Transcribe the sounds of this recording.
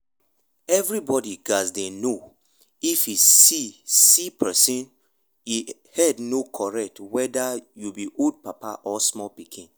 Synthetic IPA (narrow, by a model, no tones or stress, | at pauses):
ɛvɹibɔdiɡazdeno | ifisisipʰɛsĩn | i | hɛdnokʰɔɹɛk̚twɛdajubiʔod̚papa̰ʔɔsmɔlpikʰĩn